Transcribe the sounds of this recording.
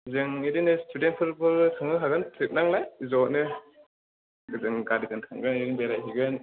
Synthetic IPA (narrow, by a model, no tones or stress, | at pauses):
zɯŋidinɯstʰudent̚pʰɯɾbɯɾtʰɯŋɯɦaɡɯntʰɯtk̚naŋlajzɔnɯ | ɡɯzɯŋɡadiɡɯntʰaŋɡɯnɾiŋbeɾajɦiɡɯn